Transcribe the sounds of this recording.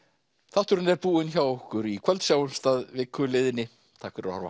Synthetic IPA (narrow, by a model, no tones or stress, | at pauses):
θaht̪ʏɾʏnɛɾpuːɪnçawɔhkʏɾikʰvɛlt̪sjawʏnst̪aðvɪkʰːʏlɪðɪnɪ | t̪ʰaːkʏɾa̰ha̰ɾva̰